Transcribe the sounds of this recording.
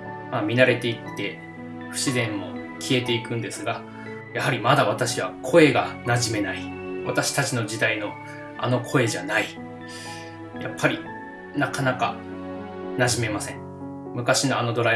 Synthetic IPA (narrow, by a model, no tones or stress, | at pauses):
mamʲinaɾe̞t̪e̞it̪ːe̞ | ɸɯ̟̥ɕizẽ̞mːo̞̰ | kʲʰie̞t̪e̞ikɯ̟̃nd̪e̞sɨɡa | jahaɾʲimad̪aβ̞at̪aɕiβakʰo̞e̞ɡanaʑime̞naiβat̪aɕi̥t̪at͡ɕino̞d͡ʑid̪aino̞ | a̰no̞kʰo̞e̞ʑanai | ja̰pʰːaɾʲi | nakanaka | naʑime̞masẽ̞ŋ | mɯ̟kaɕino̞ano̞d̪o̞ɾa